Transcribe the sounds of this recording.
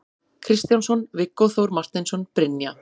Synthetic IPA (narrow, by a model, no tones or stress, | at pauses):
kʰɾɪst̪jansɔnvɪkːɔθowɾmar̥t̪ɪnsɔnpɾɪnja